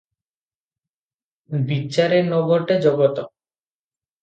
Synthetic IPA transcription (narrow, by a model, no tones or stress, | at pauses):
biːɕaɾeɾnɔɡoɾʈed͡ʑɔɡot̪o